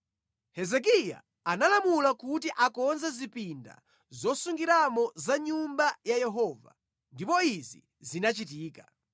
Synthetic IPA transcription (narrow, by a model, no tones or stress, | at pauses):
hɛzɛk̬ija̰ː | nalamulakutiʔakɔnzɛzipinda̰ | zɔsuŋɡiɾamɔzaɲumbajajɛɦɔːva̰ | ndipɔizḭ | zinat͡ʃitiːka